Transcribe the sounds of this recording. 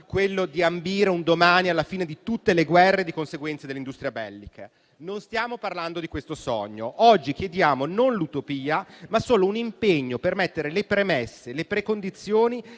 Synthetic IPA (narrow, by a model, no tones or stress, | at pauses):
kwelːod̪iambiːɾeund̪omaːnialːafiːned̪it̪ut̪ːeleɡwɛrːed̪ikonseɡwɛnt̪sad̪elːind̪ust̪ɾiabɛlːikʰa | nonst̪jaːmoparland̪od̪ikwest̪osɔ̰ɲːoʔɔd͡ʒːik̟jed̪jaːmononlut̪opiːamasːoːlounimpeɲːopermet̪ːeɾelepɾemesːelepɾekond̪it̪sːjoːni